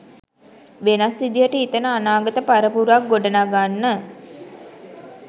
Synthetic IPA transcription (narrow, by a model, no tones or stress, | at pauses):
ʋenasid̪ijəʈəit̪ənəanaːɡət̪əpaɾəpuɾak̚ɡoɖənaɡanːə